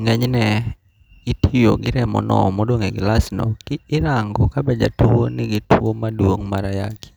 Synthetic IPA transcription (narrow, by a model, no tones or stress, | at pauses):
ŋɛɲnɛ | ɡɪtʰijoɡɪɾɛmɔ̰nɔ̰mɔdoŋɛɡɪlasnokɪːɾaŋɡɔkabɛd͡ʒa̰tuwonɪɡɪtuomadwoŋmaɾaja̰ki̥